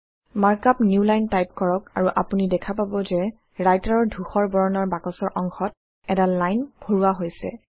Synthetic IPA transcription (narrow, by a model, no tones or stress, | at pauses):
maɹkapnjulajntajp̚kɔɹɔk̚aɹuʔapunidɛkʰapabɔzɛ | ɹajtaɹɔɹdʱuxɔɹbɔɹɔnɔɹbakɔsɔɹʔɔŋxɔt̚ | ɛtalajnb̥ʱoɹuwaɦojsɛ̰